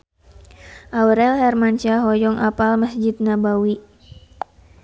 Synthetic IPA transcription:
ʔawɾɛlhɛrmant͡ʃaɦɔjɔŋʔapalməsd͡ʒid̪̚nabawi

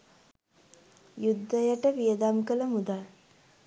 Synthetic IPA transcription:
jud̪ʱːəjəʈəʋijəd̪amkələmud̪al

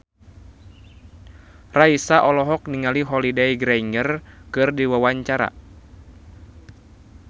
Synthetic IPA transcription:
raisaʔɔlɔɦɔk̚niŋaliɦɔlidajɡɾaiŋərkɨrdiwawaɲt͡ʃaɾa̰

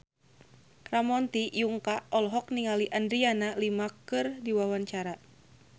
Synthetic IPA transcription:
kɾamɔnt̪ijuŋkaɔlɦɔk̚niŋaliʔandɾianalimakɨrdiwawaɲt͡ʃaɾa

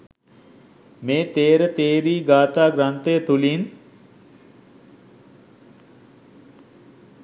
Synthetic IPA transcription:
meːt̪eːɾət̪eːɾiːɡaːt̪aːɡɾant̪əjət̪ulin

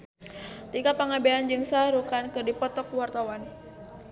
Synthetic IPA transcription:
t̪ikapaŋabeand͡ʒɨŋsaɾukankɨrdipɔt̪ɔkuwart̪awan

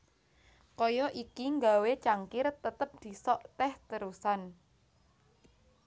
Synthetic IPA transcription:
kɔjɔʔikiŋɡa̤wet͡ʃaŋkɪrt̪ət̪əp̚d̪̥i̤sɔʔt̪ɛht̪əɾusan

